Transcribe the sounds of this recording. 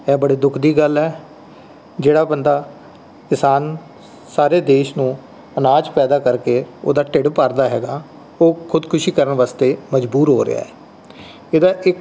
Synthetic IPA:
ɛːbəɽiːd̪ʊkʰd̪iːɡəlɛː | d͡ʒeːɽaːbənd̪aː | kɪsaːn | saːɾeːd̪eːʃnũː | ənaːd͡ʒpɛːd̪aːkəɾkeːo̰ːd̪aːʈɪɖpaːɾd̪aːɦɛːɡaː | oːkʰʊd̪kʰʊʃiːkəɾəɳʋaːst̪eːməd͡ʒbuːɾɦoːɾɪ̰ja̰ːɛː | ed̪aːʔɪk

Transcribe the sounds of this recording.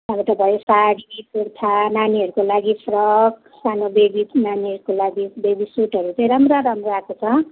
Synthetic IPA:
ãmit̪ʌbʱʌjosaɽipurt̪ʰananiɦʌɾukolaɡipʰrʌk | sanobebinaniɦʌɾukolaɡibebisuʈʌɾut͡sãĩɾamroaɾamroakot͡sʰʌ

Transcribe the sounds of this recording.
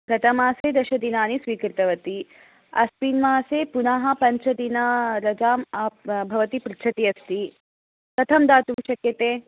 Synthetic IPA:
ɡɐt̪ɐmaːseːd̪ɐʃɐd̪inaːnisʋiːkɾɪt̪ɐʋɐt̪i | ɐspiːnmaːseːpunaɦɐpɐɲt͡ʃʰɐd̪inɐɾɐd͡ʒaːmabʱɐʋɐt̪ipɾit͡ʃʰɐt̪ijɐst̪i | k̪ɐt̪ʰɐmd̪aːt͡ʃ̪umʃɐkjɐt̪eː

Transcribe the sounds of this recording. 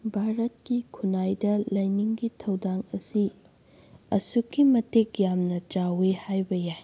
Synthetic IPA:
bʱaɾɐt̚kikʰunajdɐlɐjniŋɡitʰɐwdaŋɐsi | ɐsukːimɐtekjamnɐt͡ʃawehajbɐjaj

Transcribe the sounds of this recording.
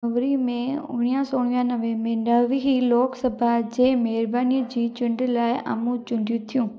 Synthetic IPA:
ɐʋɾimẽʊ̰ɡɽ̃ijãsoːɽ̃ʋijãnɐʋemẽnɐʋɦiloːksɐbʱad͡ʑeːmɛɦɪɾbaːnijəd͡ʑiːt͡ɕʊ̃ɳɖlaːɪa̰mũt͡ɕʊ̃ɳɖʱjũt̪ʰijũː

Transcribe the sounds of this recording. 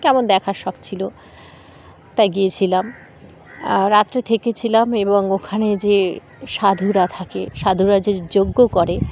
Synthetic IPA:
kɛmond̪ɛkʰaɾʃɔkt͡ɕʰilo | t̪ajɡijet͡ɕʰilam | ɾat̪ːɾet̪ʰeket͡ɕʰilameboŋokʰaned͡ʑe | ʃad̪ʱuɾat̪ʰakeʃad̪ʱuɾad͡ʑed͡ʑoɡːokoɾe

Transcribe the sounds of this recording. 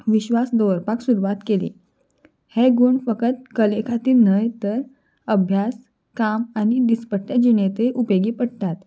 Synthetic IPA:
ʋiɕʋasd̪əʋəɾpaksuɾuʋat̪kelḭː | heɡuɳfəkət̪̚kəlekʰat̪iːlnəjt̪əɾ | əbʱjas | kamañid̪ispəʈjad͡ʑinet̪eʔupeɡiːpəɽt̪at̪

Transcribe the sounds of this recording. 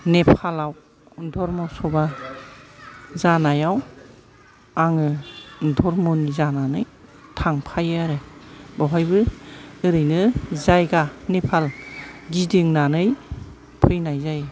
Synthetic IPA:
nepʰalaw | dɔɾmɔsɔba | zanajaw | aŋɯdɔɾmɔnizananɯj | tʰaŋpʰajɯaɾɯbawɦajbɯɯɾɯjnɯzajɡanepʰalɡidɯŋnanɯj | pʰɯjnajzaj

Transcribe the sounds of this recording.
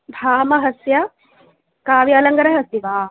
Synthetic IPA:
bʱaːmɐɦɐsjɐ | kaːʋjɐːlɐŋɡɐɾɐɦɐst̪iʋaː

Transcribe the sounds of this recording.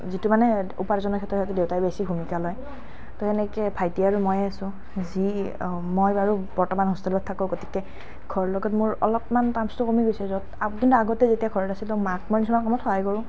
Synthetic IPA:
zitumanɛṵpaɹzɔnɔkʰɛtːɔhɔtɛdewtaɹbesibʱumikalɔj | tɔɛnɛkɛpʰajtiaɹumɔjaasʊ̃ | zi | mojbaɹub̥ɔɹtɔmanɦɔstilɔtʰːakɔ̃ɡoti̥kɛ | ɡ̥ʱɔɹɔlɔɡɔtmʊɹɔ̰lɔpmantamstɔkomiɡojsɛzɔtakintuaɡɔtɛzetijaɡʱɔɹɔtasilɔmak̚mɔɹnisɔmankɔmɔtxɔɦajkɔɹʊ̃

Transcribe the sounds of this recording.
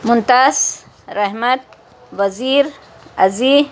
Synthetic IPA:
mʊnt̪as | ɾahmat̪̚ | waziɾ | azi

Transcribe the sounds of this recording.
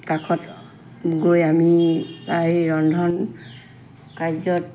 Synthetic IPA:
kakʰɔt | ɡojamibaɦiɹɔndʱɔn | kajzɔt

